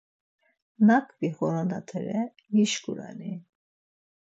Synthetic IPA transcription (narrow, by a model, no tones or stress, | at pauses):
nakʰbiχɔɾanat̪ʰɛɾɛ | jiʃkuɾa̰ni